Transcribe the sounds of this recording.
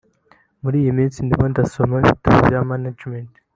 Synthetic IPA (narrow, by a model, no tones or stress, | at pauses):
muɾiːjimĩːnt͡sindimondasomaḭtṵjamanad͡ʒment